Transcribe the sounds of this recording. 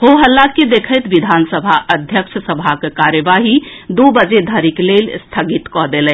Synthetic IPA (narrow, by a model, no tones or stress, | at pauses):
hoɦəlːakid̪ekʰəjt̪ʋid̪ʱansəbʱaʔəd̪ʱjəkʃʰəsəbʱakekaɾjəʋaɦi | d̪obəd͡ʒed̪ʱəɾiklelst̪ʰəɡit̪kɔd̪elɛ